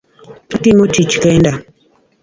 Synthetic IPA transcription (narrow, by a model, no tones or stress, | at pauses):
atimot͡ʃit͡ʃkenda